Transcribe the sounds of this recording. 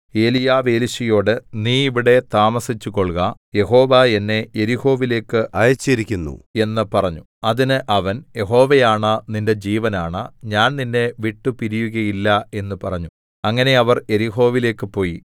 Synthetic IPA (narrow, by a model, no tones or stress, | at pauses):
e̞ːlijaːʋe̞ːliɕijo̞ːɽɨniːiʋiɽe̞t̪aːmɐsit͡ɕːuko̞ɭɣaje̞ɦo̞ːʋae̞nːe̞je̞ɾiho̞ːʋile̞ːkːɨɐjɐt͡ɕːɐɾikʲːunːṵe̞nːɨpɐrɐɲːu | ɐðinɨʔɐʋɐnje̞ɦo̞ːʋejaːɳɐninde̞d͡ʑiːʋɐnaːɳɐɲaːnninːe̞ʋiʈːupiɾijuɣɐjilːɐe̞nːɨpɐrɐɲːu | ɐŋːɐne̞ɐʋɐre̞ɾiɦo̞ːʋile̞ːkːɨpo̞ːji